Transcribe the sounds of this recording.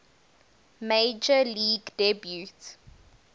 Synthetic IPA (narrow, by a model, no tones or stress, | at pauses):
med͡ʒəliːɡdɛbjut